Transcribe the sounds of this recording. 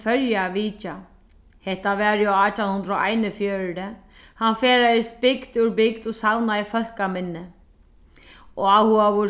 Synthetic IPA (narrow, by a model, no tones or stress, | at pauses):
fœɾjaʋiːca | hɛht̪ːaʋɛːɾjaːt̪ʰanhʊnd̪ɾɔʔa̰jnɪfjœːɾɾɪ | hanfɛːɾajɪst̪bɪkd̪ʏɾbɪkd̪ɔsawnaifœl̥kamɪnːɪ | ɔawhuaʋʊ